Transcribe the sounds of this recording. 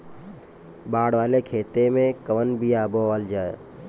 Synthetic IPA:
baːɽʋaːlekʰeːt̪emẽkəʋənbʱiaːboəld͡ʒaːe

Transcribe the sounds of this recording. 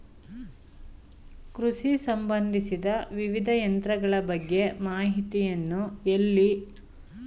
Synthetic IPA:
kɾuʂisɐmbɐnd̪ʱisid̪ɐʋiʋid̪ʱɐjɐnt̪ɾɐɡɐɭɐbɐɡːe̞maːɦit̪ijɐnːuelːi

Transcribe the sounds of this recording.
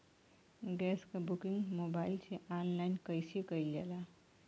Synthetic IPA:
ɡɛskabukiŋɡmobailt͡ʃʰeʔanlajnkəjsikəjlela

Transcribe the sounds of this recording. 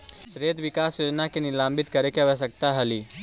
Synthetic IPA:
ʃɾeːd̪ʋɪkaːsjoːd͡ʒnakenɪlãːmbɪt̪kɐɾekeʋəs̬ək̚t̪aɦɐliː

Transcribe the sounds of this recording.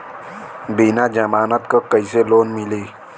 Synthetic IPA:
binad͡ʒəmaːnət̪kokəiseloːnmɪleː

